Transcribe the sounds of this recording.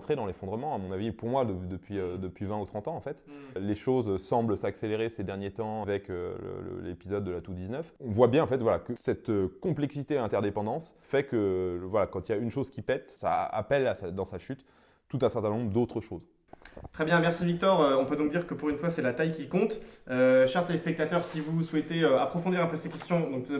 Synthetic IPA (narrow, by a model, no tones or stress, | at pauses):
t̪χed̪ɑ̃lefɔ̃d̪ʁəmɑ̃amɔ̃navipuʁmwad̪əd̪əpɥiød̪əpɥivɛ̃ut̪χɑ̃t̪ɑ̃ːfɛt̪leʃozsɑ̃blsakseleʁesed̪ɛʁnjet̪ɑ̃avɛkølə̰lə̰lḛpizɔd̪ːəlat̪ud̪iznœfɔ̃vwabjɛ̃ɑ̃fɛt̪vwalakəsɛt̪kɔ̃plɛksit̪eɛ̃t̪ɛʁd̪epɑ̃d̪ɑ̃s | fɛkəvwalakɑ̃t̪iljaynʃozkʲipɛt̪sa̰a̰pɛlasad̪ɑ̃saʃyt̪ː | ut̪ɛ̃sɛʁt̪ɛ̃nɔ̃bʁd̪ot̪χəʃoz | t̪χɛbjɛ̃mɛʁsivik̚t̪ɔʁøɔ̃pød̪ɔ̃k̚d̪iʁkəpuʁynfwasɛlat̪ajkʲikɔ̃t̪øʃɛʁt̪elespɛk̚t̪at̪œʁsivuswɛt̪eøapχɔfɔ̃d̪iʁɛ̃pøsekʲɛst̪jɔ̃d̪ɔ̃kt̪